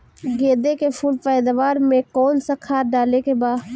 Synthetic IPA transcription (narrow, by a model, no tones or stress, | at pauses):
ɡeːd̪ekefʰuːlpɛːd̪aʋaːɾmẽkɔːnsakʰaːɾɖaːlekebaː